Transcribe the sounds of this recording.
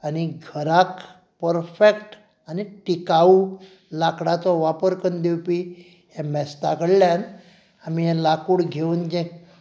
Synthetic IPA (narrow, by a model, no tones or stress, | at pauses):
aniɡʱəɾak | pəɾfekʈ | aniʈikau | lakɽat͡sɔʋapəɾkənd̪ewpi | jɛmɛst̪akəɽljan | amijãlakuːɽɡʱeund͡ʑẽk